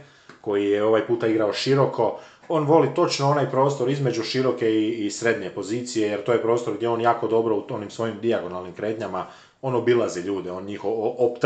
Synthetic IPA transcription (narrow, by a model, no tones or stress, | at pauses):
ko̞jijeo̞ʋajpuːt̪aiɡɾaoʃiɾo̞kʰo̞ | o̞ːnʋo̞lit̪o̞t͡ʃnoo̞naːjpɾo̞ːst̪o̞ɾizme̞d͡ʑuʃiɾo̞ke̞iːsɾe̞d̪ɲe̞po̞ziːt̪sije̞jeɾt̪oːjepɾo̞ːst̪oɾɡd̪jeo̞njaːko̞d̪o̞bɾo̞uonimsʋo̞jimd̪iaɡo̞nalˠnimkɾe̞ːt̪ɲama | o̞no̞bilˠaziʎuːd̪eo̞nɲixoopt̪